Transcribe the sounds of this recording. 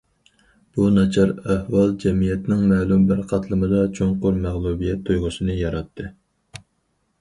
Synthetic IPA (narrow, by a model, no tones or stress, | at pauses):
b̥unɑt͡ʃʰɑɾæhwɑlˠd͡ʒɛmijɛt̪nɪŋmɛːlˠumbæɾqʰɑt̪ʰlˠɨmɨd̪ɑt͡ʃʰoŋqʊɾmæʁlˠubijɛt̪ʰːujʁʊsɨnɨjɑɾɑt̪ʰːɨ